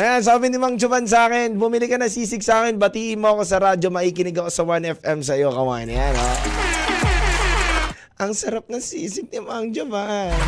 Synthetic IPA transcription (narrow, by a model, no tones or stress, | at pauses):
ʔɐjans̬aːbɪnɪmoɐŋd͡ʒʊbans̬aːkɛnbʊmɪlɪkɐnɐsiːsɪɡsaːkɛnbɐt̪iːʔɪnmoɐkosɐɾad͡ʒo̞mɐʔiːkɪnɪɡɐkosɐwanɛfʔɛms̬ɐjo̞kɐwa̰ːnɪjano | ʔɐŋsɐɾap̚nɐŋsiːsɪɡ̚nɪmoɐŋd͡ʒʊban